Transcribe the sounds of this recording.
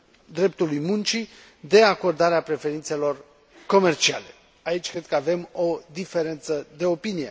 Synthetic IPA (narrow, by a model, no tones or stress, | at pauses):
d̪ɾe̞p̚t̪ulujmunt͡ʃi | d̪e̞ako̞rd̪aɾeapɾe̞fe̞ɾint̪se̞lo̞r | ko̞me̞rt͡ʃia̰le̞ | ait͡ʃʲkɾe̞d̪̚kəave̞mo̞d̪ife̞ɾe̞nt̪səd̪e̞o̞pinije̞